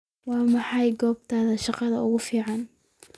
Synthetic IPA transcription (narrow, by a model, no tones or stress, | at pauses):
wɑːmɑħɑjɡɔːb̚t̪ʰaːðɐʃɑqɑðɐʊɣʊfiːʕɑn